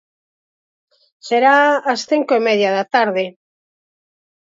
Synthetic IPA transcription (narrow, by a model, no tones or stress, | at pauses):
seɾaːsθiŋkoemɛðjaðat̪aɾðe